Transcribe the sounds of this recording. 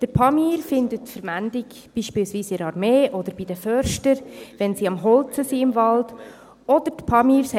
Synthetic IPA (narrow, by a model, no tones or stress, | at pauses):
d̥əɾpʰɑmiːɾfɪndətfəɾmændɪɡ | b̥iːʃpɪːlsʋiːsɪɾɑɾmeːʔɔd̪əɾb̥id̥əfœɾʃtəɾʋɛnsiɑmɦɔlt͡səsiɪmvɑld̥ | ɔdəɾtpʰɑmiːɾsɛ